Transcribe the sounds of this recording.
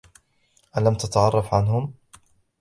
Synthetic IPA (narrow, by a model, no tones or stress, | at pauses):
ʔalamt̪at̪aʕɑrˤːɑfʕanɦʊm